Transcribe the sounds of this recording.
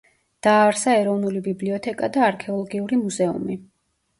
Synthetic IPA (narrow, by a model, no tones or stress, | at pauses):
d̪̥aːɾsaɛɾɔvnulibibliɔt̪ʰɛkʼad̪aːɾkʰɛɔlˠɔɡiuɾimuzɛṵmi